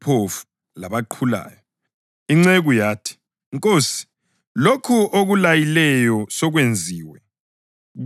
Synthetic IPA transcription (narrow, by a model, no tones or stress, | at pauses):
pʰofu̥ | laβaǃʰula̰ːjɔ | iŋ͡ǀɛɣujaːtʰi̥ | ŋkʼoːsi̥ | lokʰuʔoɣulajilɛjɔsɔɣwend͡zʱiːwɛ | ɣ